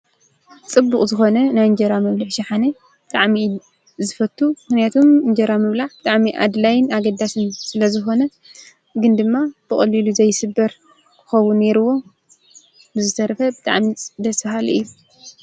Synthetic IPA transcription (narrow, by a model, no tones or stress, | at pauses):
t͡sʼɨbːukʼzɨxo̞nɐnajɨnd͡ʒɐɾamɐβlaħʃɐħane | bɨt̪ʼaʕmi | zɨfɐt̪ʰːumɨxnijat̪ʰomɨnd͡ʒɐɾamɨβlaʕbɨt̪ʼaʕmiʔa̰d̪lajɪnaɡɐd̪asɨnsɨlɐzɨxo̞nɐ | ɡɨnd̪ɨmːab̥ɨχʼɐlːiluzɐjsɨbːɐɾ | kʰɨ̥xɐwːunːe̞ɾuwːo̞ | bɨzɨt̪ʰɐɾɐfɐbɨt̪ʼa̰ʕmid̪ɐsfɐɦalʔɨjːu